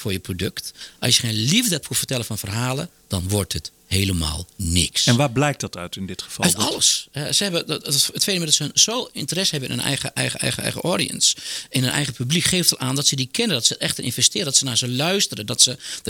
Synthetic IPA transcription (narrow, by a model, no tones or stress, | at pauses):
fʊːɹjəprodøktʔɔ̰sjəxejnlivdət̚pʰufərtɛlˠəfɔnfərɦaːlə | d̥ɔnʋʊrthət | heːləma̰ːlˠnɪ̰ksɛnʋaːblɛjk̚tdɑtœɥtɪndɪtxə̥fɔœtɔlˠəsɛsəhɛbəətfeːnəmɪdɔtsənsoːɪ̰ntərɛshɛbənɪ̰nənʔɛ̰jɣəʔɛ̰jəɛ̰jɣəɛ̰jɣə̰ʔodḭə̰nsɪnhənʔɛ̰jɣəpyblikχeːftətaːndɔtsədikʰɪnədɔtsətɛxtərʔɪ̰nvɛstɪːɾədɔtsənaːɹzəlœɥstərədɔtsə